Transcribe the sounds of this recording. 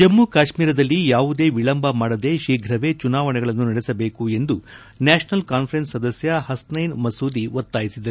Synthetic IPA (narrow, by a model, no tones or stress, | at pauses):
d͡ʒɐmːukaːʃmiːɾɐd̪ɐlːijaːʋud̪e̞ːʋiɭɐmbɐmaːɽɐd̪e̞ʃiːɡʱɾɐʋe̞t͡ʃunaːʋɐnɛɡɐɭɐnːunɐɽɛsɐbe̞ːkue̞nd̪u | naːʃɐnɐlkaːnpʰɐɾe̞nsːɐd̪ɐsjɐɦɐsnɐjnmɐsuːd̪iʋot̪ːaːjisid̪ɐɾu